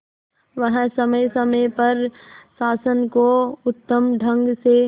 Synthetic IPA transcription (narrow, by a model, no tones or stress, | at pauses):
ʋɐɦsɐməjsɐməjpɐɾsaːsənkoʊt̪ːəmɖʱə̃ŋɡse